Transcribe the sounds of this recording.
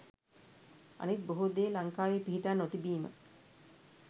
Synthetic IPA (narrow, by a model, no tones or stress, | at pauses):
a̰nit̪̚boɦud̪eːlaŋkaːʋepiɦiʈaːnːot̪ibiːmə̰